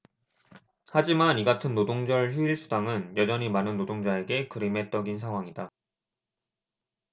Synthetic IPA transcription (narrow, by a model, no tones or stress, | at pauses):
had͡ʑimaniɡatʰɯnːodoŋd͡ʑʌɭçiiɭsʰudaŋɯnjʌd͡ʑʌɲimanɯnːodoŋd͡ʑae̞ɡe̞kɯɾime̞t͈ʌɡinsʰaŋɦwaŋida